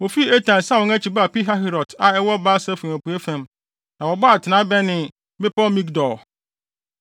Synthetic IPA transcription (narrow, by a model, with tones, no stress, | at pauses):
wɔ˨fi˦e˦tʰã˨n˨sa˦wɔ̃˦ŋæ˦t͡ɕʰi˨ba˦˨pi˦ɦa˦ɦi˦ɾɔ˨tʰa˨ɛ˦wɔ˦baː˦sa˦fu˨æ˨pu˨˦e˦fæ̃˨m | nã˨wɔ˨bɔ˦a˨tʰɪ˨nã˦bɛ˦nɪ̃˨ | mɪ̃˦pɔ˦mĩ˦kdɔ˨